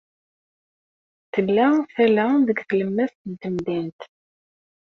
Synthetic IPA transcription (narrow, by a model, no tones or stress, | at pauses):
θəlːæθælæðəɡθləmːæθt̪nt̪əmðint̪